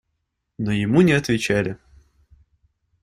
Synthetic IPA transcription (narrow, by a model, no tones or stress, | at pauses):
nojɪmunʲɪɐt̪vʲɪt͡ɕælʲɪ